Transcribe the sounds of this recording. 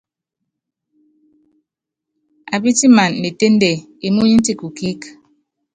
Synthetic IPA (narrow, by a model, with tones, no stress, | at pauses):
a˨bi˦ti˦ma˨nːe˨te˦n˦de˨ | i˨mu˦ɲi˦n̩˦ti˦˨ku˨ki˦k